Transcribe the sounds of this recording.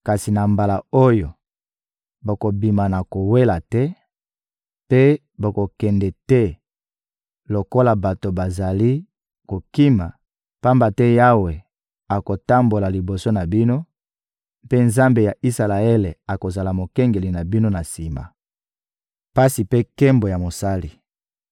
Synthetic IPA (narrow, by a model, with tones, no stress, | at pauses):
ka˨si˨na˨mba˨la˨o˦jo˨ | bo˨ko˨bi˨ma˨na˨ko˨we˦la˨tɛ˦ | pe˦ | bo˨ko˨kɛ˨ndɛ˨tɛ˦ | lo˨ko˦la˨ba˨to˨ba˨za˨li˦ | ko˨ki˦ma̰˨ | pa˦mba˨tɛ˦ja˦we˨ | a˨ko˨ta˦mbo˨la˨li˨bo˨so˦na˨bi˦no˦ | pe˦nza˦mbe˨ja˨i˦sa˨la˨e˦le˨a˨ko˨za˨la˨mo˨kɛ˦ŋɡe˨li˨na˨bi˦no˦na˨si˨ma̰˨ | pa˦si˨pe˦kɛ˦mbo˨ja˨mo˨sa˦li˨